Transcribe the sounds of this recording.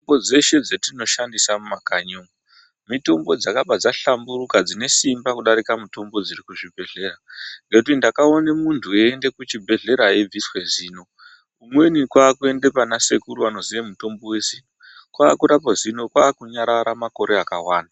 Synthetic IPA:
oɡod͡ze̞ʃe̞d͡zetino̞ʃandisamumakaɲoːŋu | mito̞mbo̞d͡zakaɓad͡zaɬamburukad͡zine̞simbakuɗaɾikamuto̞mbo̞d͡ziɾikuʐibʱe̞ɮe̞ːɾaŋɡekutindakao̞nemuntʰueːnde̞kut͡ʃibʱe̞ɮe̞ɾaeb͡viswe̞ziːno̞ | umwe̞nikwaːkue̞ndepanase̞kuruano̞ziʋemuto̞mbo̞we̞ziːno | kwaːkuɾapozino̞kwaːkuɲaɾaɾamako̞ɾe̞akawaːna

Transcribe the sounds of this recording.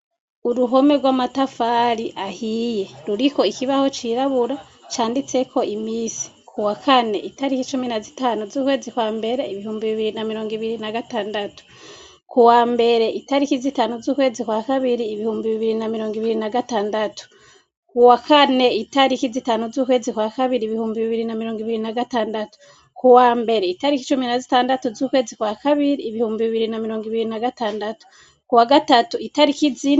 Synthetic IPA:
uɾuɦo̞me̞ɡwaːmatafaɾiʔahije̞ɾuɾiko̞ikiβaho̞t͡ʃiɾaβuɾa | t͡ʃaːndit͡se̞kʰo̞ʔimiːsi̥ | kʰuwakʰane̞̰ʔitaɾikit͡ʃuminazitaːnuzuːkwe̞ːzikwaːmbe̞ɾe̞iβihuːmbiβiβiɾinamiɾo̞ːŋɡiβiɾinaɡataːndatu̥ | kuwaːmbe̞ɾe̞ʔitaɾikizitaːnuzuːkwe̞ːzikwaːkaβiɾiːβihuːmbiβiβiɾinamiɾo̞ːŋɡiβiɾinaɡataːndatu̥ | kuwakʰane̞itaɾikizitanuzuːkwe̞ːzikwaːkaβiɾiːβihuːmbiβiβiɾinamiɾoːŋɡiβiɾinaɡataːndatu̥ | kuwaːmbe̞ɾe̞itaɾikit͡ʃuminazitaːndatuzuːkwe̞ːzikwaːkaβiɾiːβihuːmbiβiβiɾinamiɾo̞ːŋɡiβiɾinaɡataːndatu̥ | kuwaɡatatuitaɾikizi

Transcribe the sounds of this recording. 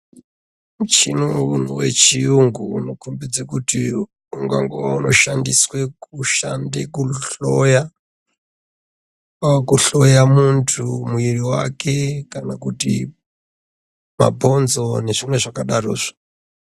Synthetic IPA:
mut͡ʃʰinounuwḛt͡ʃʰijuŋɡuunokʰumbid͡zakuti | uŋɡa̰ŋɡuwaunoʃandiswekuʃandekuɬoja | kuɬojamuntʰumuiɾiwa̰kʰekanakutḭ | ma̰bʱond͡zoneʐ̥imweʐakaɗaɾo̰ːʐ̥i̥

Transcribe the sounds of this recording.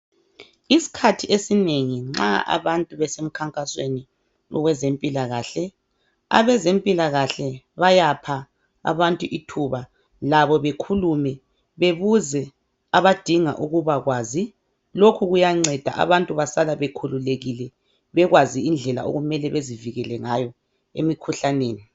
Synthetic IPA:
isi̥kʰatʰiʔesineŋiŋ͡ǁa̰ʔa̰βantʼuβɛsem̩kʰaŋkʼaswḛni | ɔ̰ɣwɛzempʼilaɣaːɬɛ | a̰βɛzempʼilaɣaɬɛ | βajapʰa | a̰βantʼuʔitʰuβa | laβɔβekʰulumɛ | βeβuzɛ | aβad̥ʱiŋa̰ʔuɣuβaɣwaːzi | lokʰuɣujaŋ͡ǀɛd̥ʱaʔa̰βantʼuβasalaβekʰululeɣilɛ | βɛɣwaziind͡ɮʱɛla̰o̰ɣumɛlɛβeziviɣɛlɛŋajɔ | ḛmikʰuɬaneːni

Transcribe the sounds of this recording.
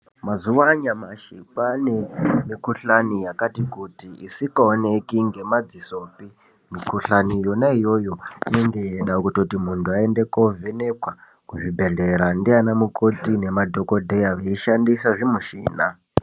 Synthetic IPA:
mazuʋaɲamaʃipanemikuɬanijakatikutiḭsikaone̞kiŋɡe̞mad͡ziso̞ːpi | mikuɬanijo̞naijo̞jo̞ine̞ŋɡe̞jeɗakutotimuntʰuae̞nde̞kovene̞kwa | kuʐibʱe̞ɮe̞ɾandianamuko̞tine̞madʱo̞ko̞dʱe̞jaʋeiʃandisaʐimuʃḭːna

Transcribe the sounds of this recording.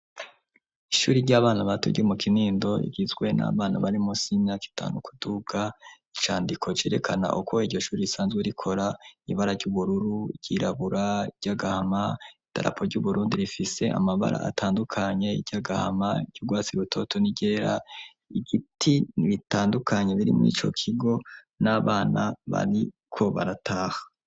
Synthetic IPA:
iʃuːɾiɾɟaːβaːnaβato̰ɟomukʰiniːndo̞ḭɡizɡwe̞na̰βaːna̰βaɾimusimɲaːki̥tʰa̰ːnukʰuduɡ̥ait͡ʃaːndikʰo̞t͡ʃe̞ːɾe̞kʰana̰ʔukʰo̞iɟo̞ʃuːɾiisaːnzɡweɾikʰo̞ɾaiβaɾaɾɟuβuɾuɾuɟɟiɾaβuɾaiɟɟaɡahamaid̥a̰ɾʔa̰pʰoɾɟuβuɾuːndiɾifise̞a̰maβa̰ɾʔa̰a̰tʰaːndukʰaɲe̞iɟaɡaha̰maɟ̥ɟuɡwaːt͡siɡutʰo̞tʰo̞niɟe̞ːɾa | iɡitʰiniβitaːndukʰaɲe̞βiɾḭmŋḭːt͡ʃo̞̰kʰiɡo̞ | naβaːnaβa̰ɾi | kʰo̞βa̰ɾatʰaːhḁ

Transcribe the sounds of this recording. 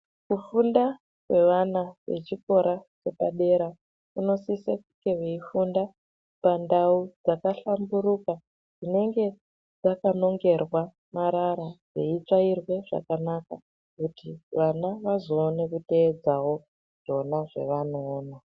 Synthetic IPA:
kufunda | kwe̞ʋanaʋe̞̰t͡ʃiko̞ɾʔat͡ʃe̞paɗe̞ɾa | uno̞sisekukɡeʋeifunda | pandaud͡zakaɬambuɾuka | d͡zine̞ŋɡe̞ | d͡zakano̞ŋɡe̞rwa | maɾaɾad͡zḛit͡ʂairwe̞ʐa̰kanaka | kutiʋanaʋazo̞ːne̞kute̞ːd͡zawo̞ | ʐ̥o̞naʐe̞̰ʋanoːna

